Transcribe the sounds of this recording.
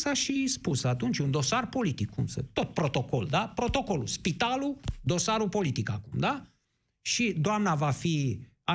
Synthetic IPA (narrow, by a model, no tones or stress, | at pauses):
saʃispusat̪unt͡ʃʲund̪o̞sarpo̞lit̪ikʰːumsə̰t̪o̞t̪̚pɾo̞t̪o̞ko̞̰ld̪apɾo̞t̪o̞ko̞luspit̪alud̪o̞saɾupo̞lit̪ikakumd̪a | ʃid̪oamnavafi | a